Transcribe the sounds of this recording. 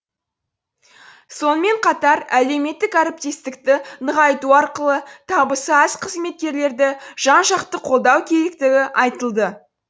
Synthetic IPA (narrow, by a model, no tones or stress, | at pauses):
so̞nəme̞ɴqʰɑt̪ɑɾæle̞wme̞t̪ːɪkæɾɪp̚t̪e̞st̪ɪkt̪ɪnəʁɑjt̪uɑɾqəlˠət̪ʰɑbəsəæzqʰəzme̞t̪̚kʲe̞ɾle̞ɾd̪ɪʒ̥ɑnʃɑqt̪əqʰo̞lˠd̪ɑwkʲʰe̞ɾekt̪ɪɡʲɪʔɑjt̪əlˠd̪ə